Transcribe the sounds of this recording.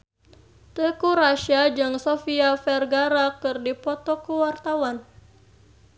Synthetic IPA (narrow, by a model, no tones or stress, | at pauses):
t̪əkuɾaʃad͡ʒɨŋsofiafɛrɡaɾakɨrdipɔt̪ɔkuwart̪awan